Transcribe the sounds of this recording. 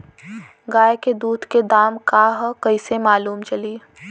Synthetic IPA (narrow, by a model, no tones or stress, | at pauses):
ɡaːeked̪uːd̪ked̪aːmkaɦkɐisemaːluːmt͡ʃɐliː